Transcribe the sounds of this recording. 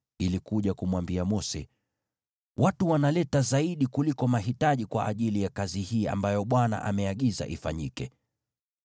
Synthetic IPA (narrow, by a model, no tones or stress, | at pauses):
ilikuʄakumwambiamɔsɛ̰ | wʔatuwanalɛtazaiɗikulikɔmaɦitaʄikwa̰ʔaʄilijakazihiːa̰mbajɔɓwana̰ʔa̰mɛaɠiza̰ʔifa̰ɲikɛ